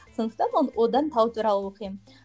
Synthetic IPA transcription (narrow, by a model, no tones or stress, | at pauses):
sənəq̚t̪ɑmonwʔod̪ɑnt̪ʰɑwt̪ʰuɾɑlˠəwoqijm